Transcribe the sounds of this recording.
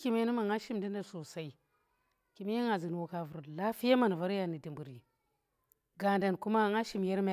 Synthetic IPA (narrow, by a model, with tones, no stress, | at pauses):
ki˨me˦ni˦ma˨ŋa˦ʃi˦mdi˦nda˦˨ɾso˨sa˦i˨ | ki˨me˦jŋa˨zi˨n˨wo˨ka˨vu˨ɾla˦fi˦ja˦ma˦˨n˨va˦ɾja˨ni˨di˨mbu˨ɾi˨ | ɡa˨nda˨nku˦ma˦ŋa˦ʃi˦mja˦ɾm˦